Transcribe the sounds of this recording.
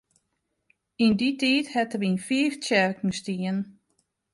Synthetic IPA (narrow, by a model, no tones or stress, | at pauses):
inditiːthɛtəʋinfiːftɛrknəstiən